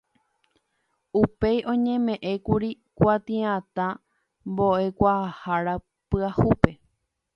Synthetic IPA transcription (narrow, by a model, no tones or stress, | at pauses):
upe̞jʔõ̞ɲẽmẽ̞ʔẽ̞kuɾi | kʷat̪ĩãt̪ã | mbo̞ʔe̞kʷaahaɾa | pɨahupe̞